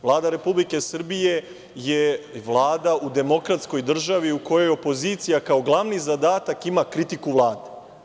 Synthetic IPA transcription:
vlˠaːd̪aɾe̞publike̞sr̩bije̞ | jeʋlˠaːd̪aud̪e̞mo̞kɾat̪sko̞jd̪r̩ʒaʋiuko̞jo̞jo̞po̞ziːt̪sijakao̞ɡlˠaʋnizad̪aːt̪akimakɾit̪ikuʋlˠaːd̪e

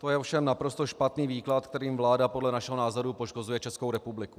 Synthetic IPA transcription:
t̪o̞jɛofʃɛmnapɾo̞st̪o̞ʃpat̪niːviːklat̪k̚t̪ɛɾiːmvlaːdapodlɛnaʃɛɦonaːzoɾupoʃko̞zujɛt͡ʃɛsko̞wɾɛpublɪku

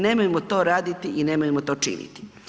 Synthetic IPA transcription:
ne̞mojemot̪o̞ːɾaːd̪it̪iine̞mojemot̪o̞ːt͡ʃḭnḭt̪i̥

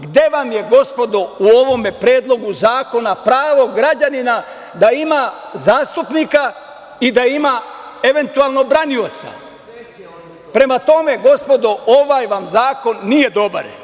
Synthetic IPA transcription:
ɡd̪e̞ʋamje̞ɡo̞spo̞d̪ouo̞ʋo̞me̞pɾe̞ːd̪lˠo̞ɡuzaːko̞napɾaːʋo̞ɡɾad͡ʑanina | d̪aimazaːst̪upnika | id̪aimae̞ʋe̞nt̪uaːlˠno̞bɾanio̞t̪sa̰ | pɾe̞mat̪o̞me̞ɡo̞spo̞d̪ooʋajʋamzaːko̞nːije̞d̪o̞ba̰ɾ

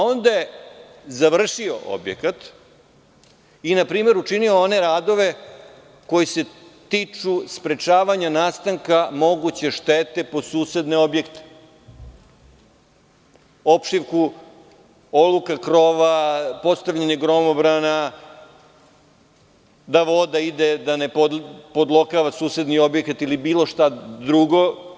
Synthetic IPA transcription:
ao̞nd̪aje | zaʋr̩ʃio̞̰ʔo̰bjḛkat̪ | inapɾiːme̞ɾuʈ͡ʂinio̞one̞ɾaːd̪o̞ʋe̞ | ko̞jise̞t̪iːt͡ʂuspɾe̞t͡ʃaːʋaɲanaːst̪aŋkamo̞ɡut͡ɕe̞ʃt̪eːt̪e̞po̞suːse̞d̪ne̞o̞bje̞kt̪e̥ | opʃiʋku | olˠukakɾoːʋapo̞t̪st̪aʋʎaɲeɡɾo̞mobɾana | d̪aʋo̞d̪aid̪e̞d̪aneppod̪lˠo̞kaʋasuːse̞d̪nio̞bje̞kat̪ilibiːlˠo̞ʃt̪ad̪ɾuɡo̞

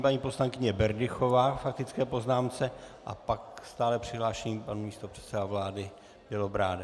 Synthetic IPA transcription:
paɲiːpo̞slaŋkɪɲɛbɛɾdɪxo̞vaːfak̚t̪ɪt͡skɛːpo̞znaːmt͡sɛʔapakst̪aːlɛpr̥ɪɦlaːʃɛɲiːpanumiːst̪o̞pr̥ɛt̪sɛdavlaːdɪ | b̥ɛlobɾaːdɛ

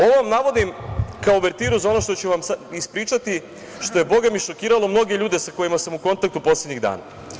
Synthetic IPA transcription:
o̞ʋoʋamnaʋo̞d̪imkaoʋe̞ɾt̪iːɾuzao̞no̞ʃt̪o̞t͡ɕuʋamsaispɾiːt͡ʃat̪i | ʃt̪o̞je̞bo̞ɡamiʃo̞kiːɾalˠo̞mno̞ɡe̞ʎuːd̪esako̞jimasamuko̞nt̪ak̚t̪upo̞sle̞d̪ɲiɣd̪a̰ːna̰

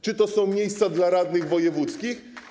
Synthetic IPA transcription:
t͡ʂɨt̪ɔsɔ̃w̃mʲjejst̪sad̪laɾad̪nɘɣvɔjɛvut̪skʲix

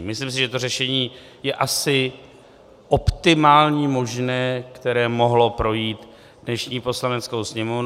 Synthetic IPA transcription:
mɪslims̬ɪʒɛt̪o̞rɛʃɛɲiː | jɛʔasɪ | ʔo̞pt̪ɪmaːlɲiːmo̞ʒnɛːkt̪ɛɾɛːmoɦlo̞pɾo̞jiːt̪ | dnɛʃɲiːpo̞slanɛt͡sko̞wsɲɛmov

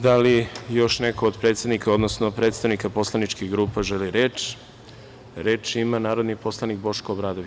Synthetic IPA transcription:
d̪alijo̞ʃnekood̪pɾe̞ːt̪sed̪nikaod̪nosno̞pɾet̪st̪aʋnikapo̞slˠanit͡ʃkiɣɡɾuːpaʒeliɾeːt͡ʃ | ɾe̞ːt͡ʃimanaːɾo̞d̪nipo̞slˠanik̚bo̞ʂkoːbɾaːd̪oʋ

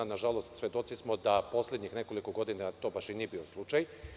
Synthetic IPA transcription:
naʒalo̞st̪sʋʲje̞d̪o̞t̪sismo̞d̪apo̞slʲed̪ɲixne̞ko̞liko̞ɡo̞d̪inat̪o̞baʃinijebio̞slˠut͡ʃaj

